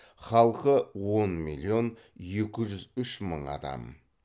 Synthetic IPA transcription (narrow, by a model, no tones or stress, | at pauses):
χɑlˠqəwo̞nmḭlʲˠːio̞n | je̞kʲɪʒʏzʏʃmə̰ɴɑ̰d̪ɑ̰m